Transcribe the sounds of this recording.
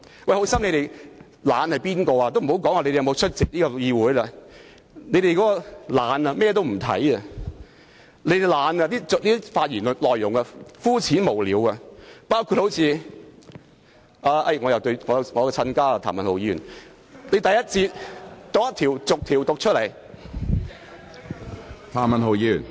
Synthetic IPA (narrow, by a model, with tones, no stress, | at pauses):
wɐ˨˩jho˨˥wsɐ˥mle˨˧jɾe˨j | laː˨˧nhɐ˨jpiː˥nkɔː˧aː˧t̪o˥wm̩˨˩˨wkɔː˨˥ŋaː˨le˧de˨jmo˨˧wt͡ʃʰɵ˥t̚t͡sɪ˨k̚niː˥kɔː˧jiː˧wuː˨˥jlɐ˧ | ne˨˧jɾe˨jkɔː˨˥kɔ˧laː˨˧nɐ˧mɛː˥t̪̬o˥wm̩˨˩t̪ʰɐ̰˨˥jɐ˧ | ne˨˧˥jte˨˩jlaː˨˧nɐ˧t̪iː˥t͡so˨liː˥i˥faː˧t̚jyː˨˩n˨lɔː˨jːʊ˨˩ŋɐ˧fuː˥t͡sʰiː˨˥nmo˨˩wliː˨˥wɐ˧paː˥wkʰu˧t̚ho˨˥wt͡sʰiː˧ | ʔaː˧ʔɐ̰˧jŋɔ˨˧jɐ˨wt̪o˧ɥŋɔː˨˧ŋɔː˨˧kɛ˧t͡sʰɐ˧nkaː˥a˧t̪ʰaː˨˩mɐ˨nho˨wjiː˨˧jyː˨˩n | ne˨˧jt̪ɐ˨jːɐ˥t̚t͡siː˧t̚t̪ʊ˨k̚jɐ˥t̪ʰiː˨˩wt͡sʊ˨k̚t̪ʰiː˨˩wt̪ʊ˨k̚t͡ʃʰɵ˥t̚lɐ˨˩j | t̪ʰaː˨˩mɐ˨nɦo˨wjiː˨˥jy̰ː˨˩n